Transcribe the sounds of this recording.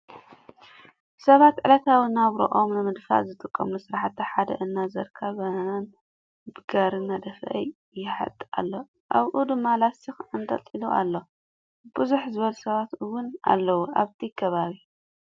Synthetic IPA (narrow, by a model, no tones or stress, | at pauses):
sɐβat̪ʕɨlɐt̪ʰawinaβɾo̰ʔo̞mnɨmɨd̪fa̰zɨt̪ʼɨkʼːɐmlusɨɾaħt̪ːiħad̪ɐ̰ʔɨnːazɐɾkʰaβɐan | bɨɡaɾɨnːad̪ɐfʔɐ̰j | jɪħa̰t̪ʼːa̰lːo̞ | ʔaβʔud̪ɨmːalasɨxɨnt̪ʼɐ̰t̪ʼiluʔa̰lːo̞ | b̥ɨzuħzɨβɐlusɐβat̪ɨwʊna̰lːɐwuʔa̰βt̪ʰikʰɐβaβi